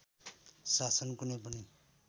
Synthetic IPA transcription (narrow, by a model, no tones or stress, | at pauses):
sasʌnkunʌjpʌni